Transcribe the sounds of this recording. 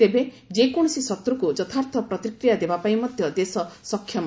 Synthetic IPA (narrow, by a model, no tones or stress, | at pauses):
t̪ebe | d͡ʒekɔɽ̃ɔsisɔt̪ɾukud͡ʒɔt̪ʰaɾt̪ʰɔpɾɔt̪ikɾijad̪ebapaimɔd̪ʱjɔd̪esɔsɔkʰjɔm